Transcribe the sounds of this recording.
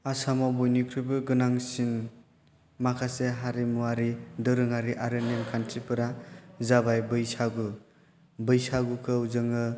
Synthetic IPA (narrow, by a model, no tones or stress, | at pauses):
asamabujnikʰɾɯjbɯɡɯnaŋsin | makʰaseɦaɾimuaɾidɯɾɯŋaɾiʔaɾɯnemkʰantʰipʰɯɾazabajbɯjsaɡɯ | bɯjsaɡukʰɯwzɯŋɯ